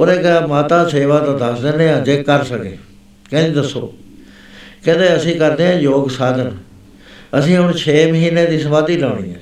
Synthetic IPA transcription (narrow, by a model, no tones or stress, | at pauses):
oːɾeːkəaːmaːt̪aːseːʋaːt̪ãːd̪əsd̪eːnẽːãːd͡ʒeːkːəɾsəkḛː | kɛ̃ːd̪iːd̪əsːo̰ː | kɛ̃ːd̪eːəsĩːkəɾd̪eːãːjoːɡsaːd̪ən | əsĩːɦʊɳt͡ʃʰeːməɦiːneːd̪iːs̬əmaːd̪iːləːɽ̃ḭːɛ̰̃ː